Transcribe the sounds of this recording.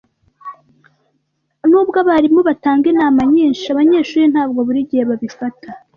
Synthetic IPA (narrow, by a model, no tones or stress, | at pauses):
nuːbɡaβaɾimoβataːŋɡenaːmaɲiːnʃaβaɲe̞ːʃuːɾin̥haːb̚ɡoβuɾiɟiheβaβifata